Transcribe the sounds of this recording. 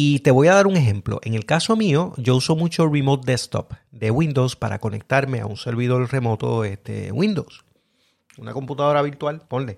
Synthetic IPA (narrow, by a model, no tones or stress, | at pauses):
it̪e̞βo̞jaðaɾuŋe̞ɦe̞mplo̞̰ʔe̞ŋe̞lkaso̞mio̞ɟ͡ʝo̞uso̞mut͡ʃo̞rimot̪̚d̪est̪o̰pd̪e̞wĩnd̪o̞wspaɾa̰ko̞ne̞̰k̚t̪aɾme̞a̰unse̞ɾβiðo̞ɾre̞mo̞t̪o̞̰est̪e̞̰wʔĩnd̪ows | una̰ko̞mput̪aðo̞ɾaβiɾt̪walpo̞nle̞